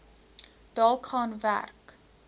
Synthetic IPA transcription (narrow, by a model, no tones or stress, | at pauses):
d̥ɑːlˠχɑːnvæ̰rk